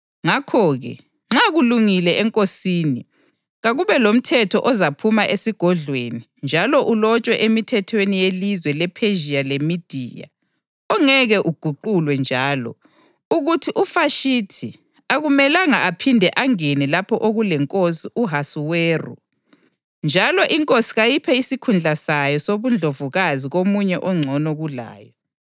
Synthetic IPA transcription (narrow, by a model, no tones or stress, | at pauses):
ŋakʰɔɣɛ̰ | ŋ͡ǁaɣuluŋilɛɛŋkʼosiːni | ɣaɣuβɛlom̩tʰɛtʰɔʔɔzapʰumaʔesiɡ̥ʱɔɮweni | nd͡ʒʱalɔʔulɔt͡ʃʼwɛʔemitʰɛtʰwenijelizwɛlɛpʰeʒialemid̥ʱḭja̰ | ɔŋɛɣɛʔuɡ̥ʱuǃulwɛnd͡ʒʱaːlɔ̰ | uɣutʰiʔufaʃitʰi | aɣumɛlaŋaːpʰindʱɛʔaŋenilapʰɔʔoɣulɛŋkʼosiʔuɦasuweːrṵ | nd͡ʒʱalɔʔiŋkʼosi̥ɣajipʰɛisikʰund͡ɮʱasajɔsoβund͡ɮʱovuɣaziɣomuɲɛʔɔŋ͡ǀʱɔnɔɣula̰ːjɔ